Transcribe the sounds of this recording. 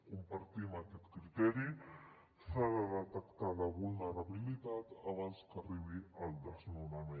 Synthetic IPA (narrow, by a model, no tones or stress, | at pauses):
kumpaɾt̪imakɛt̪kɾit̪ɛɾi | saɾalat̪akt̪alaβulnəɾaβilit̪at̪aβanskariβiald̪aznuname